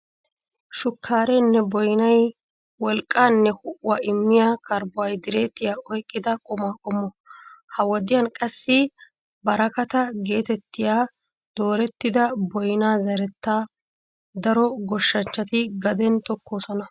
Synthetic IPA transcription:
ʃʊkʰːaːɾɛnːɛbɔjnɐj | wɔlkʼːaːnːɛhʊʔwaːɪmːɪjaːkɐɾbʊwɐjd̪ɪɾe̞ːt̪ːɪjaːɔjkʼːɪd̪ɐkʼʊmaːkʼʊmɔ | hɐwɔd̪ɪjɐnkʼɐsːɪ | bɐɾɐkɐt̪ɐɡe̞ːt̪ɛt̪ːɪjaː | d̪̥oːɾɛt̪ːɪd̪ɐbɔjnaːzɐɾɛt̪ːaː | d̪ɐɾɔɡɔʃːɐnt͡ʃːɐt̪ɪɡɐd̪ɛnt̪ɔkːoːsɔnɐ

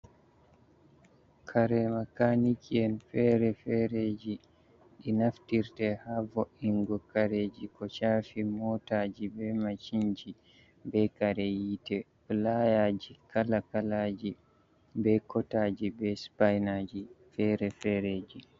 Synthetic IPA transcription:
kʰaɾɛmakanikʰiɛnfɛɾɛfɛɾed͡ʒi | ɗinaftiɾtɛhavoʔiŋɡɔkaɾed͡ʒikɔt͡ʃaːfimɔːtad͡ʒibɛmat͡ʃiɲd͡ʒi | bɛkaɾɛjiːtɛ | lajaːd͡ʒikalakalad͡ʒi | bɛkɔtaːd͡ʒibɛspajnad͡ʒifɛːɾɛfɛɾeːd͡ʒi

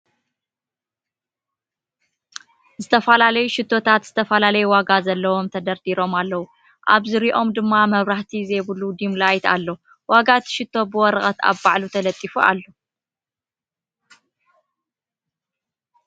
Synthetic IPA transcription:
zɨt̪ʰɐfɐlalɐjuʃɪt̪ʰːo̞t̪ʰat̪z̥ɨt̪ʰɐfɐlalɐjuwaɡazɐlːɐwo̞mt̪ʰɐd̪ɐɾt̪iɾo̞malːɐwu | ʔa̰βzɨɾiʔo̞md̪ɨmːamɐβɾaħt̪ʰizejβɨlud̪imlajt̪a̰lːo | waɡat̪ʰʃɪt̪ʰːo̞bɨwɔɾɐχʼɐt̪a̰βbaʕlut̪ʰɐlɐt̪ʼːifuʔa̰lːo

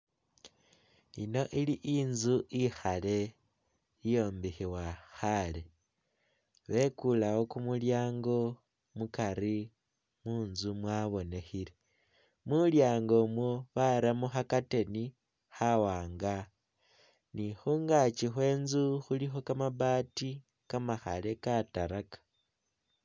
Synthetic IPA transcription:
ino̞ʔiliʔiːnzuixale̞ | ijo̞ːmbixiwaxale̞ | βe̞kulawo̞kumuljaːŋɡo̞ | mukaɾi | muːnzumwaβo̞ne̞xile | muljaːŋɡo̞mwoβaɾamuxakate̞ni | xawaːŋɡa | nixuːŋɡat͡ʃixwe̞ːnzuxulixo̞kamaβati | kamaxa̰le̞kataɾakḁ

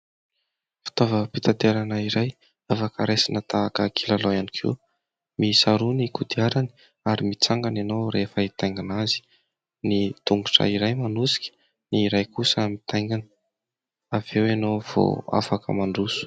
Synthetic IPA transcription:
fi̥t̪ovəpit̪at̪eɾanəiɾaj | afakʰaɾesinət̪aːkəkʰilaloanikʰḭ | misaɾunikud̪iaɾani̥ | aɾimit͡saŋɡananowɾefəit̪ajŋɡanazi̥ | nit̪uŋɡuʈ͡ʂə̰iɾajmanusi̥kʲi̥ | niɾajkusəmit̪ʰajŋɡanə | avewenowv̥o̰a̰fakʰə̰maɳɖ͡ʐusu̥

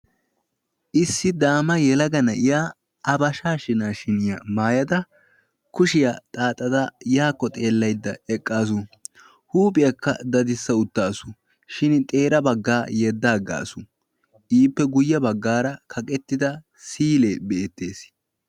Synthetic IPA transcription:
ʔɪsːɪd̪aːmɐjɛlɐɡɐnɐʔɪjaː | ɐbɐʃaːʃɪnaːʃɪnɪjɐmaːjɐd̪ɐ | kʊʃɪjat̪ʼaːt̪ʼːɐd̪ɐjaːkːɔt̪ʼe̞ːlːɐjd̪ːɐɛkʼːaːs̬ʊ | huːpʼɪjɐkːɐ̰d̪ɐd̪ɪsːɐʊt̪ːaːsʊ̥ | ʃɪnt̪ʼe̞ːɾɐbɐɡːaːjɛd̪ːaːɡa̰ːsʊ | ʔiːpːɛɡʊjːɐbɐɡːaːɾɐkʰɐkʼɛt̪ːɪd̪ɐ | siːleːbɛɛt̪ːe̞ːs

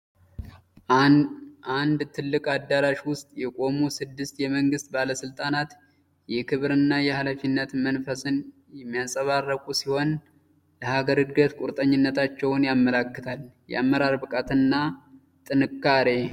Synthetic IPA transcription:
ʔand̪t̪ʰɨlːɨkʼad̪ːaɾaʃwʊst̪ʼjɛkʼo̞musɨd̪ːɨst̪jɛməŋɡɨst̪̚baləsɨlt̪ʼanat̪ | jɛkʰɨβɾɨnːajɛhalafinːət̪mənfəsɨn | jɛmːijasʼəβarːəkʼusiho̞n | ləhaɡəɾɨɡɡət̪kʼuɾt̪ʼəɲːɪnːət̪ʰat͡ʃːɛwnjamːəlakːɨt̪ʰaljɛ̰ʔamːəɾaɾbɨkʼat̪ʰɨnːa | t̪ʼɨnɨkːaɾe̞

